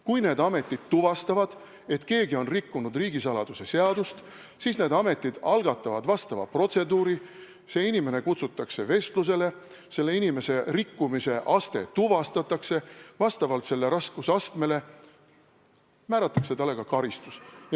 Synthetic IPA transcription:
kujne̞ːd̪̥ɑme̞t̪ːˑid̪̥t̪ːuvɑst̪ɑvɑd̪̥ | e̞t̪ke̞ːɡio̞nrikːunud̪riːɡisɑlɑd̪̥use̞se̞ɑd̪ust̪ | siːsne̞ːd̪ɑme̞t̪ːˑid̪̥ɑlɡ̥ɑt̪ːˑɑvɑd̪vɑst̪ɑvɑ̰pro̞t̪se̞d̪uːɾi | se̞inime̞ne̞kut̪sut̪ːˑɑkse̞ve̞st̪lus̬e̞le̞ | se̞lːe̞inime̞se̞rikːumise̞ʔɑst̪e̞̰t̪uvɑst̪ɑt̪ːˑɑkse̞vɑst̪ɑvɑlt̪se̞lːe̞ɾɑskusɑst̪me̞le̞ | mæːɾɑt̪ːˑɑ̥kse̞t̪ɑlːe̞ɡ̥ɑkɑɾist̪us

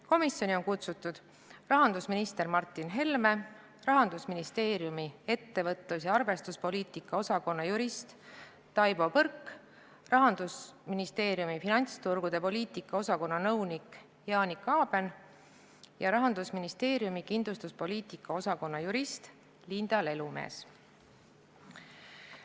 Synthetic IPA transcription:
ko̞misjo̞nʲio̞nkut̪sut̪ːud̪̥ | rɑɦɑnd̪usminist̪e̞rmɑrt̪ːˑinɦe̞lme̞ | rɑɦɑnd̪̥usminist̪e̞ːɾjumie̞t̪ːe̞vɤt̪ˑlus̬jɑɑrve̞st̪uspo̞liːt̪ikˑːɑo̞sɑko̞nːɑjuɾist̪ː | ɑjbo̞pɤrkː | rɑɦɑnd̪̥usminist̪e̞ːɾijumifinɑnʲt̪st̪urɡ̥ud̪̥e̞po̞lʲiːt̪ikːˑɑo̞sɑko̞nːɑnɤwnikˑ | jɑːnikːˑɑːb̥e̞n | jɑɾɑɦɑnd̪̥usminist̪e̞ːɾijumikind̪lust̪uspo̞lʲiːt̪ˑikːˑɑo̞sɑko̞nːɑjuɾist̪ | lind̪̥ɑle̞lume̞̰ːs

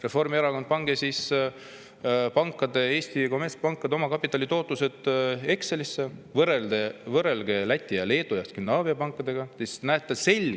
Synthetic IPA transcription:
re̞fo̞rmieɾɑkod̪̥̚pɑŋɡ̥esis | pɑŋkˑːɑd̪e̞e̞ːst̪iko̞mespɑŋkːˑɑd̪eo̞mɑkɑpːˑit̪ːˑɑlʲit̪o̞ːt̪ːˑuse̞d̪̥e̞kselisːevɤɾed̪evɤre̞lɡ̥e̞læt̪ʲːˑijɑle̞ːd̪̥ujɑst̪kymnɑːviɑpɑŋkːˑɑd̪̥e̞ɡ̥ɑsisnæet̪ːˑese̞lʲ

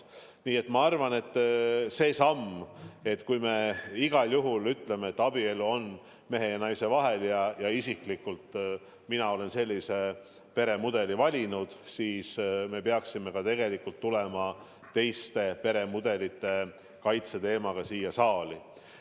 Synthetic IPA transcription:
niːe̞t̪mɑɑrvɑne̞t̪ːˑse̞ːsɑme̞t̪ːkujme̞iɡɑljuɦulyt̪ːˑle̞meet̪ːˑɑbie̞luo̞n | me̞ɦe̞jɑnɑjse̞vɑɦe̞ljɑjɑisiklikult̪ | minɑo̞le̞nse̞lʲːise̞ | pe̞ɾe̞mud̪̥e̞livɑlʲinud̪̥siːsme̞peɑksime̞kɑt̪e̞ɡ̥e̞likult̪ːule̞mɑ | t̪e̞jst̪e̞pe̞ɾe̞mud̪e̞lit̪ˑːe̞ | kɑjt̪se̞t̪e̞ːmɑɡ̥ɑsiːjɑsɑːli

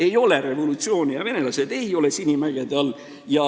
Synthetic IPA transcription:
e̞jo̞le̞ɾe̞vo̞lut̪sio̞ːnʲijɑve̞ne̞lɑse̞d̪e̞jo̞lesinʲimæɡ̥ed̪ɑlː | jɑ

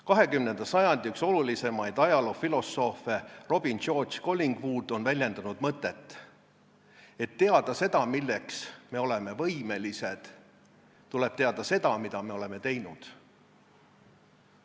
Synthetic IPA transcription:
kɑɦe̞kymne̞nd̪̥ɑsɑjɑnd̪̥ʲiykso̞lulise̞mɑjd̪̥ɑjɑlo̞filo̞so̞fero̞b̥ind̪ʃo̞ːd̪t͡ʃko̞lʲːiŋɡ̥vuːd̪̥o̞nvælʲje̞nd̪̥ɑnud̪̥mɤt̪ːˑe̞t̪ːˑ | e̞t̪ːe̞ɑd̪̥ɑse̞d̪ɑmilːe̞ksme̞o̞le̞me̞vɤjme̞lise̞d̪̥ | t̪ːule̞b̥t̪e̞ɑd̪̥ɑse̞d̪ɑmid̪̥ɑme̞o̞le̞me̞t̪e̞jnud̪̥

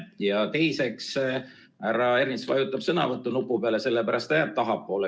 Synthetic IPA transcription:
jɑt̪e̞jse̞ks | æɾɑe̞ɾinsvɑ̰jut̪ːˑɑb̥sɤnɑ̰vɤt̪ːˑunupːˑupeɑle̞se̞lːepæɾɑst̪ejæːb̥̚t̪ɑɦɑpːˑo̞ːle

